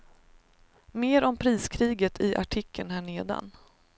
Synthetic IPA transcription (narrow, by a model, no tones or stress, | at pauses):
meːɾɔmpʰɾiːskʰɾiːɡət̪ʰɪʔa̰ʈʰɪkʰːənhæːɳeːd̪a̰n